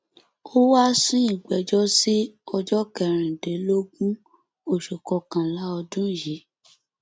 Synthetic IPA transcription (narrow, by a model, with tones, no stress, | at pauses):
o˦wa˦sũ˦i˦˨ɡ͡bɛ˨d͡ʒɔ˦si˦ɔ˧d͡ʒɔ˦kɛ˧˨ɾ̃ĩ˨de˨˦lo˦ɡũ˦ | o˨ʃo˨kɔ˧kã˨la˨˦ɔ˧dũ˦˨je˨˦